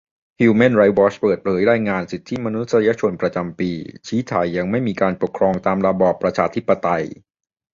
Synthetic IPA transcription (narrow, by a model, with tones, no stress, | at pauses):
hiː˧me˥˩nɾa˧jwɔː˦˥t͡ɕpɤː˨˩t̪̚pʰɤː˩˦jɾaː˧jŋaː˧nsi˨˩t̪ʰːi˦˥˩ma˧nu˦˥t̪̚sa˧ja˦˥t͡ɕʰo˧npɾa˧t͡ɕa˧mpiː˧t͡ɕʰiː˦˥t̪ʰa̰ː˨˩jːa˧ŋma˥˩jmiː˧kaː˧npo˨˩kʰɾɔː˧ŋt̪aː˧mɾa˧bɔː˨˩pːɾa˧t͡ɕʰaː˧t̪ʰi˦˥pːa˧t̪a˧j